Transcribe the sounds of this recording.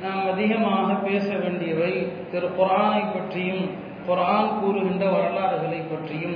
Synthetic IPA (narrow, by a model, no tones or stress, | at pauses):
naːmɐðɪɣɐmaːɣɐpeːsɐʋeːɳɖɪjɐʋɐɪt̪ɪɾqʊɾaːnɐɪpːɐʈrɪjɯm | qʊɾaːnkuːɾɯɣɪɳɖɐʋɐɾɐɭaːɾɯɣɐɭɐɪpːɐʈrɪjɯm